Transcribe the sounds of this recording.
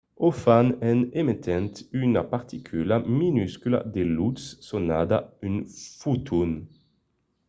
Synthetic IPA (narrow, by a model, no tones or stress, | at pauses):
ɔfanɛnemit̪ʰɛnt̪ynapaʁt̪ʰikʰylaminyskyla̰d̪elut̪ssɔnad̪aynfut̪ʰun